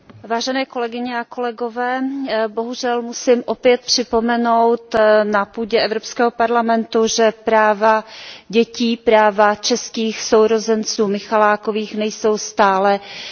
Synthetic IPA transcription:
vaːʒɛnɛːko̞lɛɡɪɲɛako̞lɛɡo̞vɛːbo̞ɦuʒɛlmusɪmʔopjɛt̪̚pr̝̥ɪpo̞mɛnowt̪napuːɟɛʔɛvɾopskɛːɦopaɾlamɛnt̪uʒɛpɾaːvaɟɛciːpɾaːvat͡ʃɛskiːxso̞wɾozɛnt͡suːmɪxalaːkoviːxnɛjso̞wst̪aːlɛ

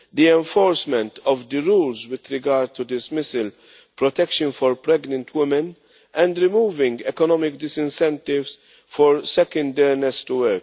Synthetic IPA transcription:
d̪iɛ̃ɱfɔːɾsmɛ̃nt̪ɔvd̪əɾuːlzwɪd̪ɾɪɡaɾd̪̚t̪ud̪ɪsmɪsɪl | pɾɔt̪ɛkʃə̃nfɔɾpɾɛɡnə̃nt̪ʰwɪmɛ̃n | ʔɛ̃nd̪ɾɪmuːvɪ̃ŋɡɛkɔnɔmɪkd̪ɪsɪ̃nsɛ̃nt̪ɪvs | fɔɾsɛkə̃nd̪ɛɾnɛst̪uwɛɾk

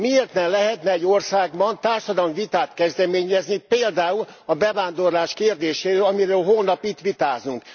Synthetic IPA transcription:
mieːrt̪nɛlɛɦɛt̪nɛɛɟːorsaːɡbɒnt̪aːrʃɒd̪ɒlmvit̪aːt̪kɛzd̪ɛmeːɲɛznipeːld̪aːulɒbɛvaːnd̪o̞rlaːʃkeːrd̪eːʃeːɾølɒmiɾøːlɦoːlnɒpit̪ʋit̪aːznuŋk

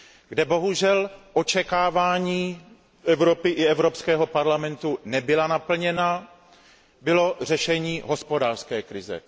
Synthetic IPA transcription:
ɡdɛbo̞ɦuʒɛlʔo̞t͡ʃɛkaːvaːɲiː | ʔɛvɾopɪʔɪɛvɾopskɛːɦo̞paɾlamɛnt̪unɛbɪlanapl̩ɲɛna | bɪlo̞r̝ɛʃɛɲiːɦo̞spo̞daːr̥skɛːkɾɪzɛ̰

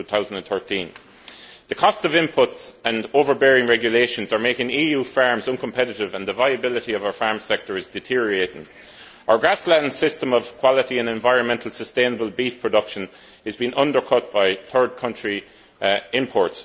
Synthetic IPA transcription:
tuːθaʊzə̃ndə̃nθɜ˞tʰĩn | ðəkʰɔstsʌvɪ̃mpʰʊtsə̃noːvə˞bɛːɹɪ̃ŋɹɛɡjəleɪʃə̃nzə˞meɪkɪ̃ŋiːjuːfaɹmzʌ̃nkʰə̃mpʰɛɾɪɾɪvə̃nðəvaɪəbɪlɪɾiʌvaʊə˞faɹmsɛk̚tə˞ɨzdɪtʰɪɹieɪɾɪ̰̃ŋ | aʊə˞ɡɹasladⁿn̩sɪstə̃məv̥kʰw̥ɑlɪɾiə̃nɛ̃ɱvaɪɹə̃nmɛ̃ntʰəl̩ˠsəstẽɪ̃nəbəlˠbiθpʰɹ̥ədʌkʃə̃n | ɪzbĩnʔʌ̃ndə˞kʰʊt̚b̥aɪθɜ˞d̚kʰʌ̃nt͡ʃɹ̥i | ɪ̃mpʰɔːɹts

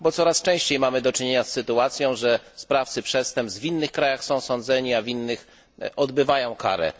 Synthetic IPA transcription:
bɔt̪sɔɾast͡ʂɛ̃w̃ɕt͡ɕejmamɘd̪ɔt͡ʂɘɲeɲasːɘt̪uat̪sʲjɔ̃w̃ʐɛspɾaft̪sɘpʂɛst̪ɛmp̪zvʲinːɘxkɾajaxsɔ̃w̃sɔnd̪zɛɲiavʲinːɘx | ʔɔd̪bɘvajɔ̃w̃ka̰ɾɛ̰

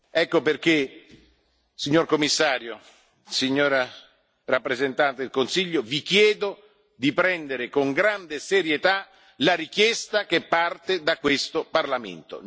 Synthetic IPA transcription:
ɛkːoperk̟e | siɲːorkomːisːaːɾjo | siɲːoːɾa | rapːɾezent̪ant̪ed̪elkonsiʎːovik̟jɛːd̪o | d̪ipɾɛnd̪eɾɪkoŋɡɾand̪eseɾjet̪a | laɾikjɛst̪akɪpːart̪ed̪akːwest̪oparlamḛnt̪o̰

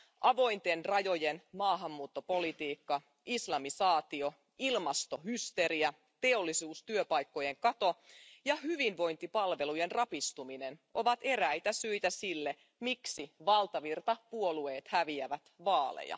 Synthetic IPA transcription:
ʔɑʋo̞jnt̪enrɑjo̞jenmɑːɦɑmːuːt̪ːo̞po̞lit̪iːkːɑ | islɑmisɑːt̪io̞ | ilmɑst̪o̞hyst̪e̞ɾiæ | t̪e̞o̞lːisuːst̪yøpɑjkːo̞jeŋkɑt̪o̞jɑhyʋinʋo̞jnt̪ipɑlʋe̞lujenrɑpist̪uminenʔo̞ʋɑt̪e̞ɾæjt̪æsøjt̪æsilːe | miksiʋɑlt̪ɑʋirt̪ɑpuo̞lueːt̪hæʋiæʋæt̪ʋɑːlḛjɑ̰

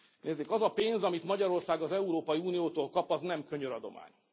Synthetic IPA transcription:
neːzːeːkɒzɒpeːnzɒmit̪mɒɟɒɾo̞rsaːɡɒzɛuɾoːpɒjiuːnijoːt̪oːlkɒpɒznɛmkøɲøɾɒd̪o̞̰ma̰ːɲ

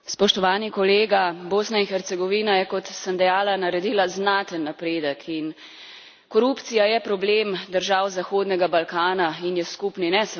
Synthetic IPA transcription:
spɔʃt̪ɔʋaːnikɔleːɡaboːsnainxɛɾt̪sɛɡɔʋiːnajɛkɔt̪səmd̪ɛjaːlanaɾɛd̪iːlaznat̪ənːapɾeːd̪əkʰin | kɔɾupt̪sijajɛpɾɔbleːmd̪əɾʒaːwzaxoːd̪nɛɡabalkaːnainjɛskupninɛs

